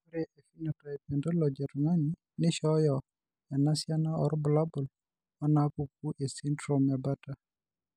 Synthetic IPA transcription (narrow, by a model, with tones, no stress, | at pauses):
u˦ɾe˨ʔe˨fi˦nɔ˨tɔ˨ɛ˨pɛ˨ndɔ˦lɔ˨d͡ʒɛ˨ɾma˦ni˨ | nɪ˦ʃɔ˦jɔ˨ | ɛ˨na˦sja˦nɔ˦ɔ˨ɾbʊ˨la˦bʊ˨l | ɔ˦na˦pu˨k̚u˦ʔe˨si˦ntɾo˨mɛ˨ba˦ta˦